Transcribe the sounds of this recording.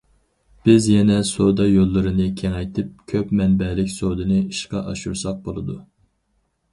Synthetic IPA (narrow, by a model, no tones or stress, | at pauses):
b̥ɪzjɛnɛsod̪ɑjolˠːɨɾɨnɨkʲʰɛŋɛjt̪ʰɪp̚kʲʰøpmɛnbɛlɪkʲsod̪ɨnɨiʃqɑʔɑʃṵɾsɑq̚bolˠɨd̪u